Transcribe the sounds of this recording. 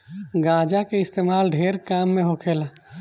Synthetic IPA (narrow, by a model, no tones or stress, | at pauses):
ɡãːd͡ʒakeɪst̪eːmaːlɖʱeːɾkaːmːẽɦokʰeːla